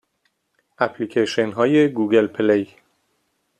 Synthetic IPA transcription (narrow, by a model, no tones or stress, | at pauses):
ʔæpʰlikʰeʃenɦɒːjeɡuːɡelpʰelej